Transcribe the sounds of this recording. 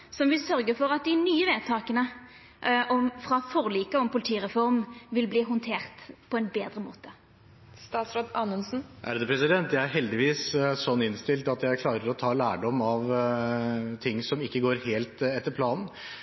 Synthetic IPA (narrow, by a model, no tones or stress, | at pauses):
sɔmʋɪlsœɾɡəfɔʁɑt̪̚d̪ɪnyːəʋeːd̪̚t̪ʰɑːkənə | ʔʔɔmfɾɑfɔʁliːkəɔmpʊlɪt̪ʰiːɾɛfɔʁmʋɪlbliːɦʊnt̪ʰeːʁt̪pʰɔɛnbeːd̪ɾəmo̰ːt̪ə̥ | st̪ɑːt̪sɾɑːd̪ɑːnənsn̩ʔæ̰ɾd̪ɛpʰɾɛsɪd̪ɛnt̪jæɪæɾɦɛld̪ɪʋiːssɔnːɪnst̪ɪlt̪ɑt̪jæɪkʰlɑːɾəɾɔt̪ʰɑːlæːɖɔmɑʋ | t̪ʰɪŋːsɔmɪkːəɡoːɾheːlt̪ɛt̪ːəɾpʰlɑːnn̩